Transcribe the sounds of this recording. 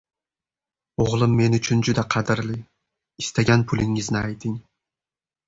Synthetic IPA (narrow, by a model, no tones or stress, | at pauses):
oʁlˠɪmːe̞nʊt͡ʃʰʊnd͡ʒʊd̪aqʰɑd̪ɪɾlɪ | ɪst̪ʰaɡʲanpʰʊlɪŋːɪznɪajt̪ʰɪŋ